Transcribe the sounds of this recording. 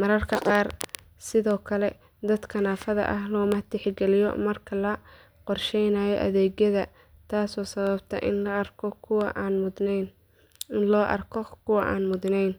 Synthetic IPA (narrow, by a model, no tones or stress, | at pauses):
mɐɾɐrkʰɐqɑːr | sɪðɔːkʰɐlɛ | d̪ɐd̪kʰɐnaːfɐðɐ̰ʔɐɦlɔːmɐt̪ʰɪħɡɛlɪjɔ̰mɐrkʰɐlɐ | qɔrʃɛjnaːjɔʔɐðɛːɣjɐðɐ | t̪ʰaːsɔːsɐβɐbt̪ʰɐ̰ʔɪnɐrkʰɔkʰːn | ɪnlɔːʔɐrkʰɔkʰʊwɐʔa̰ːnmʊðnɛjn